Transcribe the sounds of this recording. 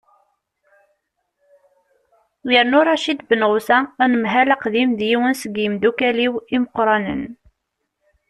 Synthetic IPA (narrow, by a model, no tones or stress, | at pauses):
jəɾnʊɾˤɑʃid̪bənʁusæːnəmɦælæqðimðjiwənsəɡjəmd̪ukæliwiməqɾˤɑnə̰n